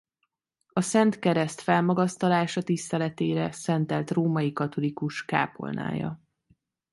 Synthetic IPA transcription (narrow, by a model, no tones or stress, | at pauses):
ɒsɛnt̪kɛɾɛst̪fɛlmɒɡɒst̪ɒlaːʃɒt̪ist̪ɛlɛt̪eːɾɛsɛnt̪ɛlt̪roːmɒjikɒt̪o̞likuʃka̰ːpo̞̰lnʔa̰ːjɒ̰